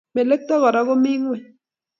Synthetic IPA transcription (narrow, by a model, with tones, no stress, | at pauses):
me˨le˦k̚t̪a˦ɣa˨ɾa˦ɣo˦mi˦ŋwe˨